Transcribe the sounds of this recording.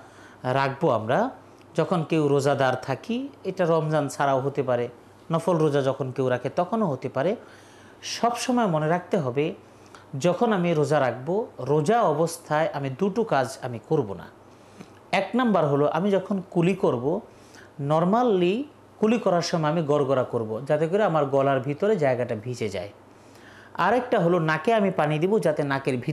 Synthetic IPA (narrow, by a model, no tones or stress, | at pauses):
ɾak̚ʰboamɾa | d͡ʑɔkʰonkewɾod͡ʑad̪aɾt̪ʰakieʈaɾɔmd͡ʑant͡ɕʰaɾaoɦot̪epaɾe | nɔfolɾod͡ʑad͡ʑɔkʰonkewɾakʰet̪ɔkʰonoɦot̪epaɾe | ʃɔbʃɔmɔemoneɾak̚t̪eɦɔbe | d͡ʑɔkʰonamiɾod͡ʑaɾak̚ʰboɾod͡ʑaɔbost̪ʰaeʔamid̪uʈokad͡ʑamikoɾbo̰na̰ | ɛknambaɾɦoloʔa̰mid͡ʑɔkʰonkulikoɾbo | nɔɾmalːi | kulikɔɾaɾʃɔmɔeamiɡɔɾɡoɾakoɾbod͡ʑat̪ekoɾeamaɾɡɔlaɾbʱit̪oɾed͡ʑaeɡaʈabʱit͡ɕed͡ʑa̰e | a̰ɾɛk̚ʈaɦolonakeamipanid̪ibod͡ʑat̪enakeɾbʱi